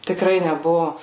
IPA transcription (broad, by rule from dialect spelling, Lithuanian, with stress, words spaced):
tʲɪkˈrɐɪ nʲɛˈbʊʋoː